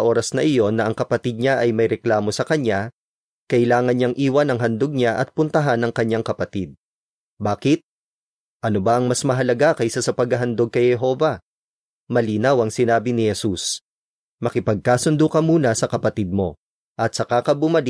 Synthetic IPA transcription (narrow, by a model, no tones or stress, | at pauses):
ʔo̞ːɾɐsnɐʔɪjo̞nːɐʔɐŋkɐpɐt̪id̪̚ɲaʔɐjmɐjɾɛklaːmo̞sɐkɐɲa | kɐʔɪlaːŋɐnɲɐŋʔiːwɐnɐŋɦɐnd̪oɡ̚ɲaʔɐt̪̚pʊnt̪ɐɦanːɐŋkɐɲːaŋkɐpɐt̪id̪̚ | baːkɪt̪̚ | ʔɐnobɐʔɐŋmɐsmɐɦɐlɐɡakɐjsasɐpɐɡɐɦɐnd̪oɡ̚kɐjhɛɦo̞ːvɐ | mɐliːnɐwɐŋsɪnaːbɪnɪhɛsus | mɐkɪpɐɡ̚kaːsʊnd̪ukɐmuːnɐsɐkɐpɐt̪id̪̚mo̞̰ | ʔɐt̪̚sɐkakɐbʊmɐli